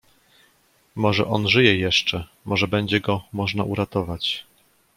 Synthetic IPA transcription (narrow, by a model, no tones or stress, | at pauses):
mɔʐɛʔɔnʐɘjɛjɛʂt͡ʂɛ | mʔɔʐɛbɛɲd͡ʑɛɡɔmɔʐnaʔuɾat̪ɔvat͡ɕ